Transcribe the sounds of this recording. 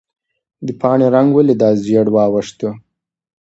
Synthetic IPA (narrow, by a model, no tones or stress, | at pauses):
d̪əpɑɳeɾaŋɡwəled̪ɑzjeɽwɑwəʂt̪ə